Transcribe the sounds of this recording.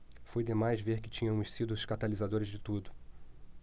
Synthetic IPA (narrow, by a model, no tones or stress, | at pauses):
fojd̪emajzveɾkɪ̥t͡ʃĩɲɐ̃mʊssid̪ʊʃkat̪alizad̪oɾɪzd͡ʒɪt̪ud̪ʊ